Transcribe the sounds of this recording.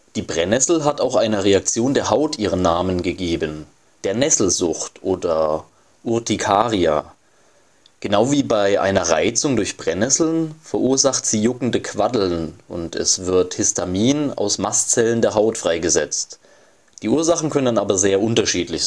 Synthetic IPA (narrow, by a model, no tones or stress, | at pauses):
d̥iːbʁɛnɛsl̩ɦataʊxʔaɪnəʁeak̚t͡sjoːndeːɐɦaʊtʔiːʁ̞ənːaːmənɡəɡeːbən | d̥eːɐnɛsl̩zʊxtʔoːdɐ | ʔʊɐtikʰaːʁia̰ | ɡ̥ənaʊviːbaɪʔa̰ɪnɐʁa̰ɪt͡sʊŋdʊɐçb̥ʁɛnɛsl̩nfɛɐʔuːɐzaχtz̥iːjʊkŋ̩dəkʰv̥adl̩nʔʊ̰ntʰɛ̰sv̥ɪɐthɪstʰamiːna̰ʊsmast͡sɛləndeːɐɦaʊtfʁ̥aɪɡəzɛt͡st | d̥iːʔuːɐzaχn̩kʰœnənanʔaːbɐzeːɐʔʊntɐʃiːtlɪç